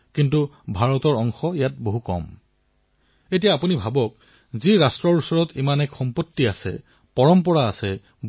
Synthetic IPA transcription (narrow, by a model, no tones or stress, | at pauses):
kintubʱaɹɔtɔɹɔŋxɔjat̚boɦukɔ̰m | etijaːpunibʱabɔk̚ | ziɹastɹɔɹusɔɹɔtimanɛkxɔmpotːiasɛ̰ | pɔɹɔmp̬ɔɹaːsɛ